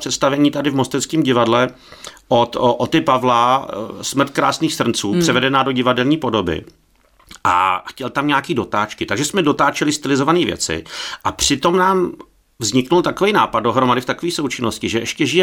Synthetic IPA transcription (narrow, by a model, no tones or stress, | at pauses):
r̥ɛt̪st̪avɛɲiːt̪adɪvmo̞st̪ɛt͡skiːmɟɪvadlɛ | ʔot̪ʔot̪ɪpavlasmr̩t̪̚kɾaːsniːxsr̩nt͡suːpr̥ɛvɛdɛnaːdo̞ɟɪvadɛlɲiːpo̞do̞bɪ̰ | ʔa̰xcɛlt̪amɲaakiːdo̞t̪aːt͡ʃkɪt̪aɡʒɛsmɛdo̞t̪aːt͡ʃɛlɪst̪ɪlɪzovaniːvjɛ̰t͡sɪ̰ʔapr̝̥ɪt̪o̞mnaːm | vzɲɪknult̪akovejnaːpad̪̚do̞ɦɾomadɪft̪akoviːsowt͡ʃɪno̞scɪʒɛʔɛʃcɛʒɪjɛ